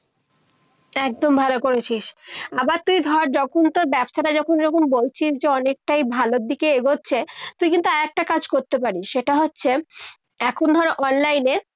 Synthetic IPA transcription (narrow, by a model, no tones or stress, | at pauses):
ɛk̚d̪ombʱalokoɾet͡ɕʰiʃabaɾt̪ujd̪ʱɔɾd͡ʑɔkʰont̪oɾbɛbʃaɾad͡ʑɔkʰoneɾɔkonbolt͡ɕʰiʃd͡ʑeɔnek̚ʈajbʱalod̪ikeeɡotːɕʰet̪ujkint̪uaɛk̚ʈakad͡ʑkoɾt̪ep̬aɾiʃʃeʈaɦotːɕʰe | ɛkʰond̪ʱɔɾeʔɔnlajne